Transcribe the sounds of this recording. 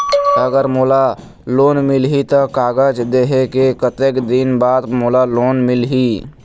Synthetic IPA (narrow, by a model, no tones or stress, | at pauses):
əɡəɾmoːla | loːnmɪlɦit̪əkaːɡəd͡ʒd̪eːɦekekət̪ekd̪inbaːd̪moːlaloːnmɪlɦi